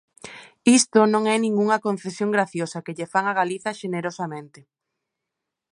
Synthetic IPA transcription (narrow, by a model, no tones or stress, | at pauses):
ist̪onõŋɛnĩŋɡuŋɐkõn̟θesjoŋɡɾaθjosɐkɪʎefaŋaɣaliθɐʃeneɾosamẽnt̪ɪ